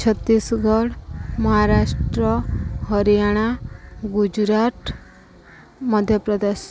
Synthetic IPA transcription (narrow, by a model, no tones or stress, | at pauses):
t͡ɕʰət̪ːiːsɡʱəɽməɦaɾaʂʈɾəɦəɾjaɽ̃aɡud͡ʑɾat̪ | məd̪ʱjəpɾəd̪eɕ